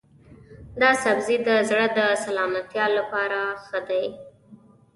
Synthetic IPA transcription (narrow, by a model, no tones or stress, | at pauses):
d̪ɑsabzid̪əzɽəd̪əsalɑmat̪jɑlːapɑɾaxəd̪aj